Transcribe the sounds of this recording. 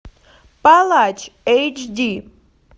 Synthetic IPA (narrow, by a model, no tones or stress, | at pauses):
pʼalat͡ʃʰʼejt͡ʃʰdi